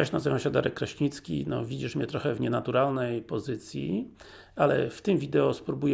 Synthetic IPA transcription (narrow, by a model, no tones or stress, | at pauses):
aɕnazɨvãɕad̪a̰ɾɛkːɾaɕɲit̪skʲḭnɔ̰vʲid͡ʑiʂmɲɛt̪ɾɔxɛvɲɛnat̪uɾalnɛjpɔzɘt̪sʲjḭ | alɛ̰ft̪ɘmvʲid̪ɛɔspɾubujɛ